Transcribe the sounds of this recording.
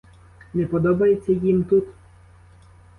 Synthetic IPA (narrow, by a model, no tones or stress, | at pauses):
nɛpɔd̪ɔbɐjet̪t͡sʲːɐjimt̪ut̪